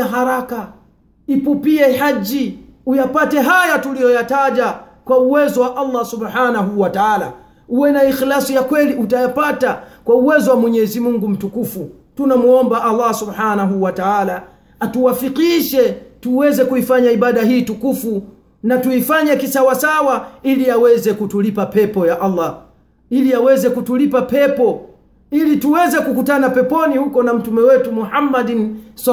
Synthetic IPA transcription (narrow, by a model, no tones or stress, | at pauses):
aɦaɾaka | ipupiɛhaʄiujapatɛɦajatulijɔjataʄa | kwauwɛzɔwaʔalˤːasubħanaɦuwataala̰ | uwɛnaixlasijakwɛliʔutajapatakwauwɛzɔwamwɛɲɛzimuŋɡum̩tukufu | tunamuɔmbaʔalːasubħanaɦuwataala | atuwafiqiʃɛtuwɛzɛkuifaɲaiɓaɗaɦiːtukufu | natuifaɲakisawasawailiawɛzɛkutulipapɛpɔjaʔalːa | iliawɛzɛkutulipapɛpɔ | ilituwɛzɛkukutanapɛpɔnihukɔnam̩tumɛwɛtumuħamːadns